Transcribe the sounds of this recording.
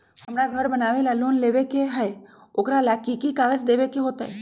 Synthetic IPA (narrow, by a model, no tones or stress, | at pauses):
hɐmɾaɡʱəɾbənaːʋelaloːnleːʋekeɦɛ | oːkɾalakikikaːɡəd͡ʒd̪eːʋekeɦoːt̪aɦɛ